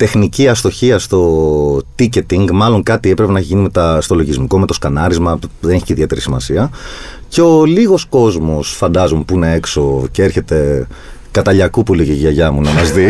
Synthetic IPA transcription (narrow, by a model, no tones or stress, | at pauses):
t̪e̞xniciɐst̪o̞çiɐst̪o̞t̪icet̪iŋɡmɐlo̞ŋkɐt̪ie̞pɾepenɐçʝinimet̪ɐst̪o̞lo̞ʝizmiko̞me̞t̪o̞skɐnɐɾizmɐðeneçi̥ceiðie̞t̪e̞ɾisimɐ̰siɐce̞o̞liɣo̞sko̞zmo̞sfɐnd̪ɐzompuinee̞kso̞ceeɾçe̞t̪e̞ | kɐt̪ɐʎɐkupuliceʝɐʝɐmunɐmɐzði